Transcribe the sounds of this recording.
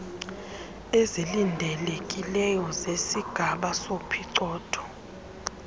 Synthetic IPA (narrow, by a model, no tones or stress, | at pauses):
ezilindʱɛlekʼilɛjɔzesiɡ̥ʱaɓasopʰiǀɔːtʰɔ̥